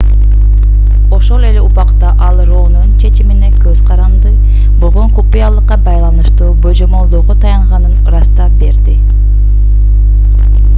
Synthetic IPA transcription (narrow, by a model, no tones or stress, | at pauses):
o̞ʃolˠeleupɑqt̪ɑʔɑlˠɾonunt͡ʃʰe̞t͡ʃiminekʲʰøz̥qʰɑɾɑnd̪ɯ | bolˠʁoŋkʰupujɑlˠɯqːɑbɑjlˠɑnɯʃt̪uːbojd͡ʒomolˠd̪oːʁot̪ʰɑjɑɴʁɑnɯnɾɑst̪ɑbe̞ɾd̪ɪ